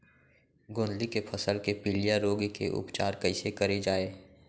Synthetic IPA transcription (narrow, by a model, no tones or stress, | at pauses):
ɡõːnlikepʰəsəlkepiːlijaɾoːɡikḛʔʊ̰pt͡ʃaːɾkəɪsekəɾed͡ʒaːeː